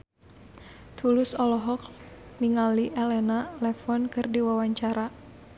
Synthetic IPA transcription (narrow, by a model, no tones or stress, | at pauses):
t̪ʰulʊsɔlɔɦɔk̚niŋaliʔɛlɛnalɛfɔnkɨrdiwawaɲt͡ʃaɾa